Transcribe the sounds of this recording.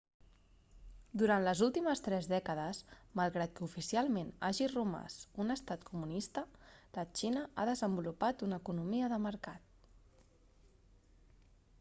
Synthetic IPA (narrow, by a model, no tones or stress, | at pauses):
d̪uɾant̪ləzulˠt̪iməst̪ɾɛzðɛkəðəsmalˠɣɾat̪̚kəufisialˠmenaʒiruma̰sunəst̪at̪kumunist̪ələt͡ʃinəaðəzəmbulupat̪unəkunumiəðəməɾkat̪̚